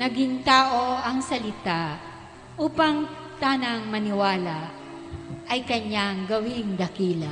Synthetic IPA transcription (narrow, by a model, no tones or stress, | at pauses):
nɐɡiŋt̪aːʔoɐŋsɐlɪt̪a | ʔuːpɐŋ | t̪aːnɐŋmɐnɪwaːla | ʔɐjkɐɲːaŋɡɐwɪŋd̪ɐkiːlɐ